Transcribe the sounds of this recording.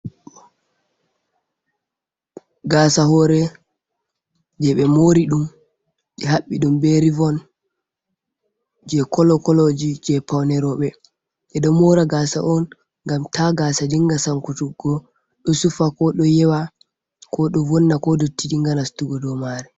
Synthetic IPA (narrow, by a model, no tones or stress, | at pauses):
ɡaːsaɦɔɾɛ | d͡ʒɛɓɛmoɾiɗum | d͡ʒɛɦaɓːiɗumbɛɾivɔn | d͡ʒɛkɔlɔkɔlɔd͡ʒid͡ʒɛpawnɛɾɔɓɛ | ʔɛɗɔmɔɾaɡasa̰ʔɔn | ŋɡamtaɡasadiŋɡasaŋkutuɡɔ | ɗɔsufakɔɗɔjɛwa | kʰɔɗɔvɔnːakɔdotːid͡ʒiŋɡanastuɡɔdɔmaɾɛ